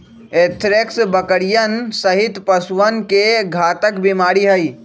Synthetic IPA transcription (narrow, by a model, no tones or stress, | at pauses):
eːt̪ʰɾeksbəkəɽijənsəɦɪt̪pəsʋənkeɡʱaːt̪əkbimaːɽiɦəi